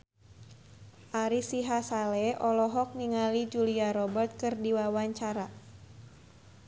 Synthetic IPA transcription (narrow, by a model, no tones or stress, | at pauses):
ʔaɾisiɦasalɛʔɔlɔɦɔk̚niŋalid͡ʒuliaɾɔbərt̪̚kɨrdiwawaɲt͡ʃaɾa